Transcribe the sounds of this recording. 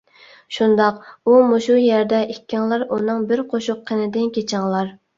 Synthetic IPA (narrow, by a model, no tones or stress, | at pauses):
ʃund̪ɑqumuʃujɛɾd̪ɛʔikʲʰːɪŋlˠɑɾunɨŋbɪɾqʰoʃʊqʰːənɪd̪ɪnkʲʰet͡ʃʰɪŋlˠɑɾ